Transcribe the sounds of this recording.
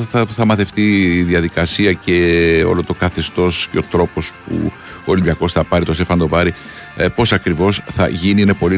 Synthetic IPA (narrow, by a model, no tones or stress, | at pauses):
ɐθɐmɐθe̞ft̪iðiɐðikɐsiɐce̞o̞̰lo̞t̪o̞kɐθe̞st̪o̞sceot̪ɾo̞po̞spṵ | olimbiɐko̞sθɐpɐɾit̪o̞st̪efɐnd̪o̞vɐɾi | po̞sɐkɾivo̞sθɐ̰ʝiniine̞po̞li